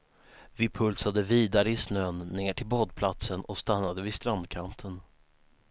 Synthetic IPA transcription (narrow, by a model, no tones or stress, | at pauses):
vɪpʰɵlsad̪əviːd̪aɾəɪsnøːnːeːʈʰɪlbɔːd̪̚pʰlat̪sənɔst̪anːad̪əvɪst̪ɾand̪kʰant̪ʰən